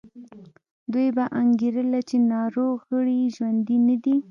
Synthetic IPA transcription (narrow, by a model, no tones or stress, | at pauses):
d̪ujbaʔaŋɡeɾəlat͡ʃenɑɾoɣɣəɽiʒwand̪inad̪i